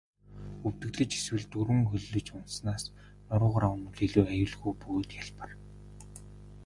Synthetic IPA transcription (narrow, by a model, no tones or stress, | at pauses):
ɵwt̪ɘ̆ɣɮɘ̆t͡ɕe̥swɘ̆ɮt̪uɾwɘ̆ŋxɵɮːɵ̆t͡ɕʊnsnaːs | nɔɾʊːʁaɾawnʊ̆ɮiɮuːajʊːɮɣujpuːt̪jaɮpə̆r